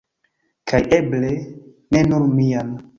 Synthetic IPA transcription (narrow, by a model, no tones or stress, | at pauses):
kʰajeble | nenuɾmian